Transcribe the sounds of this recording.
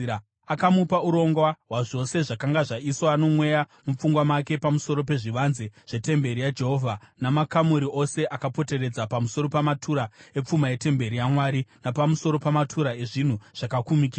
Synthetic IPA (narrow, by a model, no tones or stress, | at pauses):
akamupauɾo̞ŋɡwaɦwaʐo̞se̞ʐakaŋɡaʐaiswoano̞mwe̞jamup͡fuŋɡwamake̞pamuso̞ɾo̞pe̞ʐiʋanzeʐ̥e̞te̞mbe̞ɾijad͡ʒe̞ɦo̞vʱanamakamuɾio̞se̞ʔakapo̞te̞re̞d͡zapamuso̞ɾo̞pamatʰuɾae̞p͡fumaje̞te̞mbe̞ɾijamwaːɾinapamuso̞ɾo̞pamatʰuɾae̞ʐin̤uʐ̥akakumikiːa